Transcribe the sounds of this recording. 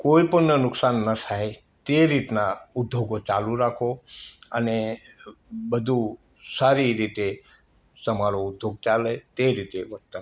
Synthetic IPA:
koipəɳnənʊksanːət̪ʰaɦe | t̪eɾit̪naud̪ʱjoɡot͡ʃalũɾakʰoəne | bəd̪ʱu | saɾiɾit̪e | t̪əmaɾoud̪ʱːjoɡ̚t͡ʃalet̪eɾit̪eʋət̪ə

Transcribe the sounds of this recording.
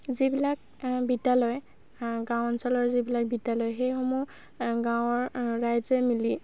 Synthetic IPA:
zibilak̚ | bitalɔj | ɡãwɔnsɔlɔɹzibilak̚bitalɔjxejxɔmu | ɡãwɔɹɹajzɛmili

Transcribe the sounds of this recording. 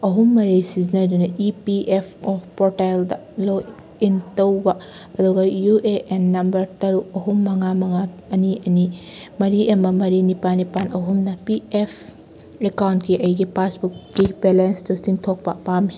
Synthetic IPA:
ɐɦumːɐɾisizinɐdunɐʔipiʔepʰopoɾtaldɐlo | intɐwbɐɐduɡɐjuʔeʔenːɐmbɐɾtɐɾuɐɦumːɐŋamɐŋaɐniʔɐnimɐɾiʔɐmɐmɐɾinipanipanɐɦumnɐpiepʰ | ekawntkiʔɐjɡipʰasbuk̚ːibelenstusiŋtʰok̚pɐpami

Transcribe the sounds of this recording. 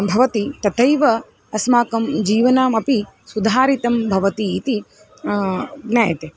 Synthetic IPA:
bʱɐʋɐt̪it̪ɐt̪ɐjʋɐ | ɐsmaːkɐmd͡ʒiːʋɐnaːmɐpi | sud̪ʱaːɾit̪ɐmbʱɐʋɐt̪iːt̪i | ɡnaːjɐt̪eː

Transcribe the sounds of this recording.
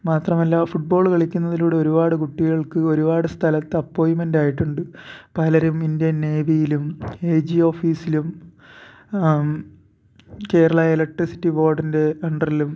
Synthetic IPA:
maːt̪rɐmɐlːɐfuʈ̚bo̞ːɭkɐɭikʲːunːɐðiluːɽeo̞ɾubaːɽɨkuʈːiɣɐɭkɨo̞ɾubaːɽɨst̪ʰɐlɐt̪ːɐpːo̞ːjimendaːjiʈːuɳɖɨpɐlɐɾumindijɐnːeːʋijilumeːd͡ʑio̞ːfiːsilum | ke̞ːɾɐɭɐelɐk̚ʈrisi̥tːibo̞ːrɖinde̞ɐɳɖɐrilum

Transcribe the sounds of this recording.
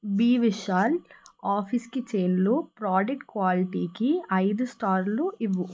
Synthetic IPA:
biːʋiʃaːlaːpʰiskit͡ʃeːnluːpɾaːd͡ʒek̚ʈ̚kʋaːliʈiːkiɐjd̪usʈaːɾluiʋːu

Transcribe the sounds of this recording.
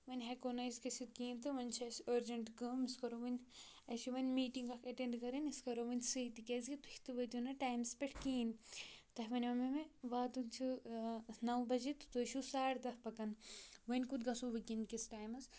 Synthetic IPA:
ʋɐnʲɦekonɐjskɐsit̪kiːnt̪ɨʋɐnʲt͡ʃʰɐsoɾd͡ʒɐɳʈɡɐːmiskɐɾoʋɐnʲ | ɐʃiʋɐnʲmiːʈiŋɡɐkʰɐʈeɳɖkɐɾɐnʲiskɐɾoʋɐnʲsɨit̪ikʲezɡit̪uhʲi̥t̪ɨʋɐt̪ʲunɐʈaːjmspɐʈʰkiːnt̪ɐɦʋɐnʲʋɐmɐmeʋaːt̪unt͡ʃʰu | nɐwbɐd͡ʒit̪u̥t̪uʃusaːʈd̪ɐhpɐkɐnʋɐnʲkud̪ɡɐsoʋɐkinkisʈaːjmɐs

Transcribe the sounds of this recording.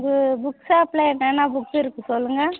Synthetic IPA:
ŋɡɯbʊksaːplɐɛnːɐnːaːbʊkːɪɾɯkːɯsɔlːɯŋɡɐ

